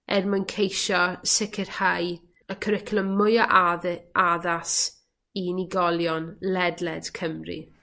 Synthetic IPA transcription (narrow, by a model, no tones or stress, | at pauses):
ʔɛ̰rmənkʰejʃɔsɪkʰɪr̥haj | əkʰəɾɪkʰlˠəmʊjɔʔaaðas | iniɡɔlˠjɔnlɛdlɛd̥kʰəmrḭ